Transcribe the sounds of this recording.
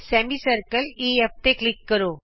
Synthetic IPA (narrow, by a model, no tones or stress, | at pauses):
semisəɾkəlief̚t̪eklikːəɾo